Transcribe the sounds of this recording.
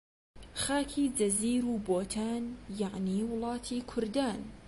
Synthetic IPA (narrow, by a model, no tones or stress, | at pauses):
xaːkʰiːd͡ʒɐziːɾuːboːt̪ʰaːnjaʕniːwʊlˠɑːt̪ʰiːkʰʊɾd̪aːn